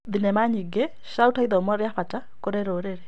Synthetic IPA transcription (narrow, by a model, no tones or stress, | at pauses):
ðinɛmaɲiɡɛ | ʃautʰaiðɔmɔɾjaɸata | koɾɛɾoɾeɾɛ